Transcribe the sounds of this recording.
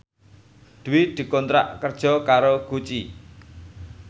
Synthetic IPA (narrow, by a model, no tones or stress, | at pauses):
d̪̥uwid̪̥i̤kɔnt̪ɾa̰ʔkərd̥ʒ̥ɔ̤kaɾoɡ̥ut͡ʃi